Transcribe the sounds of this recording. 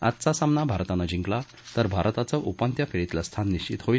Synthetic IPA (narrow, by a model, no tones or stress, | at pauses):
a̰t̪t͡sasamnabʱaɾt̪anad͡ʑiŋkla | t̪əɾbʱaɾt̪at͡səʔupant̪jafʰeɾit̪last̪ʰanːiɕt͡ɕit̪ɦoi